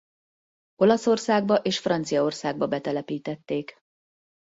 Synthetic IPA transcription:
o̞lɒso̞rsaːɡ̚bɒʔeːʃfrɒnt̪sijɒo̞rsaːɡ̚bɒbɛt̪ɛlɛpiːt̪ɛt̪ːeːk

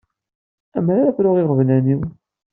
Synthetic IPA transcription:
æmɾaɾakʷɾʊʁɪʁvlæniw

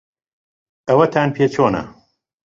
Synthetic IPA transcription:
ɐwɐt̪ʰaːnpʰeːt͡ʃʰoːnɐ̰

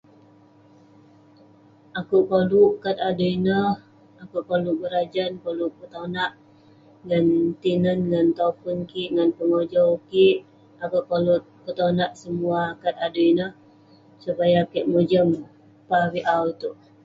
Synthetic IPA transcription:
ʔakuʔkoluʔkat̪aduinəh | akuʔkoluʔbəɾad͡ʒankoluʔpət̪anaʔ | ɡant̪inənɡant̪afənkiʔŋanpəŋod͡ʒɔwkiʔ | akuʔkolut̪̚ | pət̪anaʔsəmuakat̪̚adəinəh | supajakiʔmod͡ʒəm | pawiʔawt̪uʔ

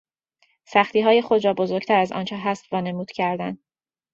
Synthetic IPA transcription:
sæxt̪ʰiːɦɒːje̞χod̪ɾɒːbo̞zoɾɡ̥t̪ʰæɾæzɒ̰ːnt͡ʃʰɛɦæst̪vɒːne̞muːd̪̥cʰæɾd̪æn

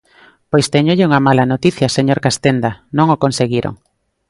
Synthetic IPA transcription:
pojst̪ɛɲoʎɪuŋɐmalɐnot̪iθjɐseɲoɾkast̪end̪anõŋokonseɣiɾo̰ŋ

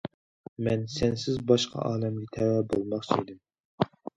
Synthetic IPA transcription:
mɛnsɛnsɪzbɑʃqʰɑ̰ʔɑːlɛmɡʲɛt̪ʰɛwɛbolˠmɑχt͡ʃʰiid̪ɪm

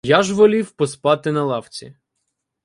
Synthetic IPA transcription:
jaʒʋɔlʲiwpɔspɑt̪ɪnɐlˠɑwt͡sʲḭ

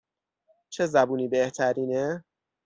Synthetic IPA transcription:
t͡ʃʰezæbuːniːbeht̪ʰæɾiːne

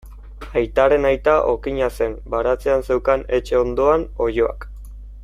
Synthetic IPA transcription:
ajt̪aɾe̞najt̪aʔo̞kiɲase̞nbaɾat͡seanse̞wkane̞t͡ʃe̞o̞nd̪o̞ano̞jo̞a̰k

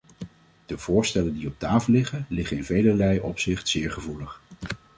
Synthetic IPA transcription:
d̥əv̥ʊːɹstɛləndiɔp̚taːfəlːɪχənlɪχəɪnvejləɹlɛjʔɔpsɪχtsɪːɹχəvuləχ

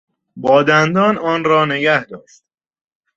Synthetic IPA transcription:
bɒːd̪ænd̪ɒːnɒːnɾɒːne̞ɡæhd̪ɒːʃt̪̚

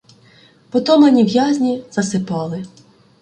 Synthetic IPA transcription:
pɔt̪ɔmɐnʲiʋjazʲnʲizɐsɪpɑlˠɪ

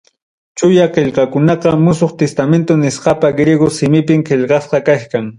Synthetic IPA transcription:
t͡ʃʊjaqeʎqɑkʊnɑqɑmʊsoχt̪est̪ament̪onɪsqɑpaɡɾeɡosɪmɪpɪmqeʎqɑsqɑkaʃkaŋ

